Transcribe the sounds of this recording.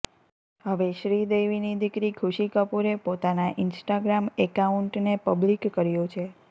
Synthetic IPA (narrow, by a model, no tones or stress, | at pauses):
ɦəʋeʃɾid̪eʋinid̪ikɾikʰuʃikəpuɾepot̪anaʔɪnsʈaɡɾamekauɳʈnepəblikːəɾjot͡ʃʰe